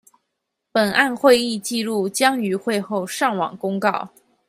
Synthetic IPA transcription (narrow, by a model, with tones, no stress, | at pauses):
pə˨˩na˥˧nxwe˥˧ɪi˥˧t͡ɕi˥˧lu˥˩t͡ɕjɑ˥ŋy˧˥xwe˥˧ɪxo˥˧ʊʂɑ˥˩ŋwɑ̰˨˩ŋkʊ˥ŋkɑ˥˩ʊ